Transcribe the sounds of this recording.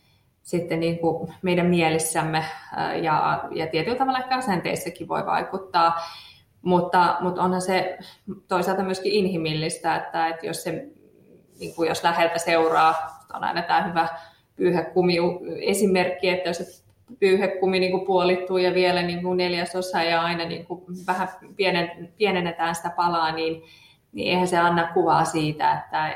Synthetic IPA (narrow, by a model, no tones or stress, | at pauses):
sit̪ːeniːŋkumeidæmmielisːæmːḛjɑ̰jɑ̰t̪iet̪ylt̪ɑʋɑlːɑekːæɑsent̪ḛisːækiʋʋo̰iʋɑ̰ikut̪ːɑː | mut̪ːɑmut̪onhɑset̪oisɑlt̪ɑmyøskiʔinhimilːist̪æet̪ːæet̪jo̰sse | nḭːŋkujoslæhelt̪æseurɑːut̪o̰nɑ̰inɑt̪æːhyʋæ | pyːhekkumiuesimerkːiet̪ːæjose | pyːhekkuminiːŋkupuolit̪t̪ːujɑʋielæniːŋkuneljæsosɑjɑɑinɑnḭːŋkuʋæhæpienepienenːet̪æːnsi̥t̪æpɑlɑːniːn | nḭḛihænseɑnːɑkkuʋɑːsiːt̪æ̰et̪ːæ